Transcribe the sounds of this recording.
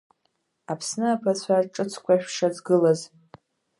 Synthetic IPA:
apʰsnɨapʰat͡ɕʷʰarʈ͡ʂʼɨt͡sʰkʷʰaʃᶣʂad͡zɡɨlaz

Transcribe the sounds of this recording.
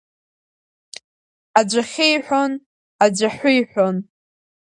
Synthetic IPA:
ad͡ʒʷaχʲejħʷᶣon | ad͡ʒʷaħʷʊjħʷᶣon

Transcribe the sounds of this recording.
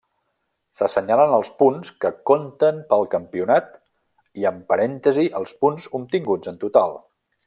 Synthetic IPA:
səsəɲalənəlˠspunskəkont̪ənpəlˠkəmpiunat̪ | iəmpəɾɛnt̪əziʔəlˠspunzumt̪iŋɡud͡zənt̪ut̪alˠ

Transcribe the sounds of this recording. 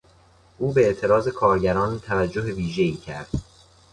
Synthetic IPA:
ʔuːbeeʔt̪ʰe̞ɾɒːze̞kʰɒːɾɟæɾɒːnt̪ʰævæd͡ʒːoɦe̞viːʒe̞iːcʰæɾd̪̥

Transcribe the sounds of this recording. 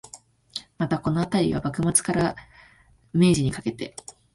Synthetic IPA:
mat̪ako̞no̞at̪aɾʲiβa̰bakɯ̟mat͡sɨ̥kaɾa | me̞ːʑiɲ̟ikake̞t̪e̞

